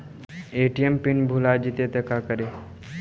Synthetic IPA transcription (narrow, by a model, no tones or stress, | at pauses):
eʈiempiɳbʱulad͡ʑit̪et̪ekakəɾe